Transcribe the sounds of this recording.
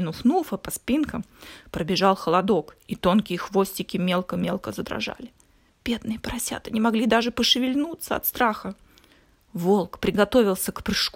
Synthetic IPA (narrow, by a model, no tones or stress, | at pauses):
ɪnʊfnufəpɐspʲinkəmpɾəbʲɪʐɑlˠxəlˠɐd̪o̞kit̪o̞nkʲɪjəxvo̞sʲtʲɪkʲɪmʲe̞lˠkəmʲelˠkəzəd̪ɾɐ̰ʐa̰lʲɪ | b̥ʲed̪̚nɨjəpɾɐsʲa̰t̪ɨnʲɪmɐɡlʲid̪aʐɨpəʂɨvʲɪlʲnut̪səɐ̰t̪st̪ɾaxə | vo̞lˠkpɾʲɪɡɐt̪o̞vʲɪlˠsʲəkpɾɨʂk